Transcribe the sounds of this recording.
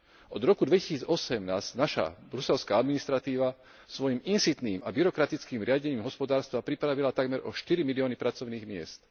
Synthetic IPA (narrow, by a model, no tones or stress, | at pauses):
ʔɔd̪ɾɔkud̪ʋɛci̥siːd͡zɔsɛmnaːzɟnaʃa̰bɾusɛlskaad̪minist̪ɾat̪iːʋa | sʋɔjiminsit̪niːma̰biɾɔkɾat̪it͡skiːmɾɪaɟɛɲiːmɦɔspɔd̪aːɾst̪ʋapɾipɾaʋilat̪aɡmɛɾʔɔʃt̪iɾimiliɔːnipɾat͡sɔʊniːɣmɪɛ̰st̪